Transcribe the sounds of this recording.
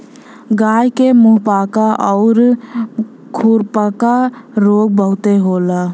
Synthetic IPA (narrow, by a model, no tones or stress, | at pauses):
ɡajkemuɦpakaʔɔʊɾ | kʰuɾpakaɾoɡ̚bəɦʊt̪eɦoːla